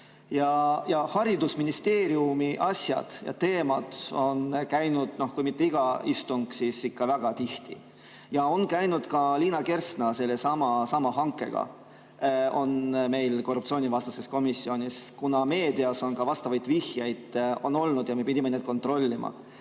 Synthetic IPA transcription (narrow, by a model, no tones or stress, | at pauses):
jɑjɑhɑɾid̪usminist̪e̞ːɾiumiʔɑsjɑ̰d̪̥jɑ̰t̪e̞ːmɑd̪̥o̞nkæjnud̪̥no̞hkujmit̪ˑːe̞iɡ̥ɑist̪uŋɡ̥sisikːɑvæɡ̥ɑt̪iht̪ḭ | jɑo̞nkæjnud̪̥kɑliːnɑke̞rsnɑse̞lːe̞sɑmɑsɑmɑɦɑŋkːˑe̞̰ɡ̥ɑ̰ | o̞nme̞jlko̞rːupt̪sio̞ːnivɑst̪ɑse̞sko̞misːio̞nʲiskunɑme̞ːd̪̥iɑso̞nkɑvɑst̪ɑvɑjd̪̥vihjɑjd̪̥o̞̰nːo̞lnud̪̥jɑme̞pid̪̥ʲimened̪̚ko̞nt̪ro̞lʲːimʔɑ̰